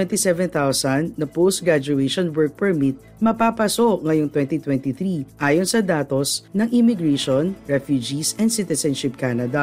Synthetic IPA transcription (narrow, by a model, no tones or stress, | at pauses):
ɛnt̪isɛvɛnt̪awsɐnd̪̚nɐpost̪̚ɡɹad͡ʒʊɛʃɔnwɔɹk̚pɛɹmit̪̚ | mɐpapɐsoʔŋɐjoŋt̪wɛnt̪it̪wɛnt̪iθɾiʔaːjonsɐd̪aːt̪osnɐŋʔɪmɪɡɹɛʃonɹɛfjud͡ʒisɛnd̪sɪt̪ɛsɛnʃɪp̚kanɐd̪ɐ